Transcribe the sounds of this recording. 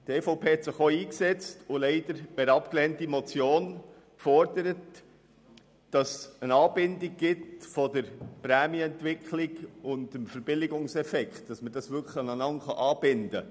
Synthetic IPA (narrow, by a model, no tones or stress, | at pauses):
d̥ɛːfoʊpʰeːhɛt̪sɪχoiːksɛt͡stʊlɛɪdəɾbɛɾɑpklɛntimɔt͡sjoːn | kfɔɾdəɾət | d̥ɑsənɑːb̥ɪndiɡ̚ɡ̥ɪtfɔdəɾpɾæːmjɛntʋɪkʰχlɪɡʊndəmfəɾb̥ɪlɪɡʊŋsɛfɛkχtd̥ɑsməd̥ɑsʋʏkχənɑnɑnχɑʔɑːb̥ɪnd̥ə